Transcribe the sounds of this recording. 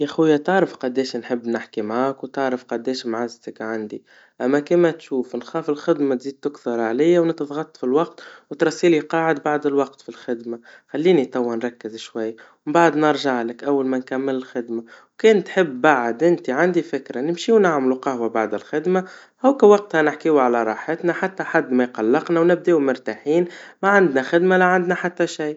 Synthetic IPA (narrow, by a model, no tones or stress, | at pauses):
jæxujːat̪ɑʕɾəfqɑd̪ɛːʃnħɪbːnɪħkimʕaːkwt̪ɑʕɾˤəfqɑd̪ɛːʃmʕazt̪əkʕand̪i | ʔæmːækimæt̪ʃuːfnxɑːfɪlxɪd̪mat̪ziːd̪̚t̪ʊkθɑɾˤʕalɪjːawnɪt̪ðˤɣɑt̪ˤːfilwɑqt̪wt̪ɾˤɑsːiːliqɑːʕɪd̪baʕd̪ɪlwɑq̚t̪filxɪd̪maxalːiːnit̪ˤɑwːanɾˤɑkːɪzʃwajːmmbaʕd̪nɑɾˤʒaʕlɪkʔawːalmænkæmːɪlɪlxɪd̪mawkɛːnt̪ħɪbːaʕd̪ʔɪnt̪iʕand̪ifɪkɾanɪmʃiwnaʕmluqɑhwabaʕd̪ɪlxɪd̪ma | ʔawkæwɑq̚t̪hanɪħkiwʕalæɾˤɑħɪt̪naħat̪ːaħad̪ːmæjqɑlːɑqnawnɪb̚d̪eːumʊɾt̪aħiːnmaʕand̪naxɪd̪malæʕand̪naħat̪ːæʃij